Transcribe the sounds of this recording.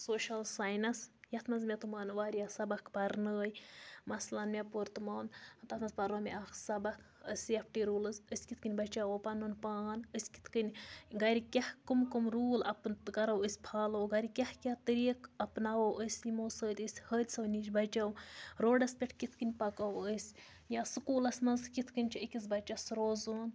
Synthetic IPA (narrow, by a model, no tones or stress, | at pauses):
soːʃɐlsaːjnɐsjɐt̪ʰmɐzmʲɐt̪umaːnʋaːɾʲjasɐbɐkʰbɐɾnəːjmɐslɐnmʲepoɾt̪ɨmaːwnt̪ɐt̪ʰmɐzbɐɾoːmʲeaxsɐbɐkʰ | əsʲijɐpʰʈiɾuːlɨzəsʲkit̪̚ʰkɨnʲbɐt͡ʃawopɐnunpaːnəsʲki̥t̪ʰkɨnʲɡɐɾʲikʲahkumkumɾuːlɐpnkɐɾɐwəsʲpʰaːlowɡɐɾʲikʲahkʲat̪ɨɾiːkɐpnawowʔəsʲimoːsəːt̪ʲəsʲhəːd̪ʲsɐwnʲid͡ʒbɐt͡ʃɐwɾoːɖɐspʲeʈʰkit̪ʰkɨnʲpɐkawəsʲ | jaːsɨkuːlɐsʲnɐzkit̪ʰkɨnʲt͡ʃʰiəkʲiz̬bɐt͡ʃɐsɾoːzoːn